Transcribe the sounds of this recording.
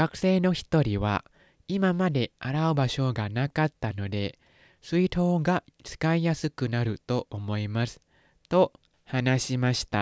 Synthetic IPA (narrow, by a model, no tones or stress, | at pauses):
ɡ̥akɯ̟̥se̞ːno̞çi̥t̪o̞ɾʲiβa̰ | imamad̪e̞aɾaɯ̟baɕo̞ɡanakat̪ːano̞d̪e̞ | sɨit̪o̞ːɡat͡sɨ̥kaijasɨkɯ̟naɾɯ̟t̪o̞ʔomo̞imasɨ̥ | t̪o̞ | hanaɕimaɕi̥t̪a